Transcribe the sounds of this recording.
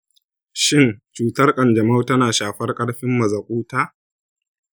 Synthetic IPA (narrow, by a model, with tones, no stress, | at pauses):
ʃɪ˦nt͡ʃuː˨˦tɐ˦rkʼɐ˨nd͡ʒɐ˨ma˦wtɐ˦naː˨ʃaː˨ɸɐ˦rkʼɐ˦ɽɸɪ˦mːɐ˨zɐ˨kʷʼuː˦taː˦